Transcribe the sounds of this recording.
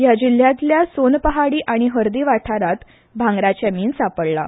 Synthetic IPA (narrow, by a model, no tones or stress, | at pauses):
jad͡ʑil̤ːjãt̪ljasonpəɦaɽiːʔaɽ̃iɦəɾd̪iʋaʈʰaɾat̪ | bʱãŋɡɾat͡ɕjamiːnsapəɭla̰